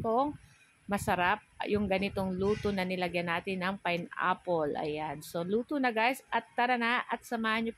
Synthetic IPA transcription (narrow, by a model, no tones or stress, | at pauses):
poŋ | mɐsɐɾap̚jʊŋɡɐnɪt̪oŋluːt̪onɐnɪlɐɡjɐnaːt̪ɪnːɐŋpɐjnʔa̰polʔɐ̰janso̞luːt̪onɐɡajsʔɐt̪̚ːɐɾɐnaʔɐt̪̚sɐmaːhɐnɲjop